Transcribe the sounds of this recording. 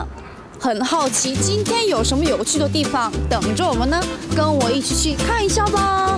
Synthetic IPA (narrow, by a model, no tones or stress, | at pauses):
xənxɑʊt͡ɕʰit͡ɕint̪ʰjɛnjoʊʂənməjoʊt͡ɕʰyd̪ət̪̬ifɑŋt̪ɤŋʈ͡ʂəwɔmənəkənwɔiʈ͡ʂɻ̩it͡ɕʰykʰaniɕjabɐ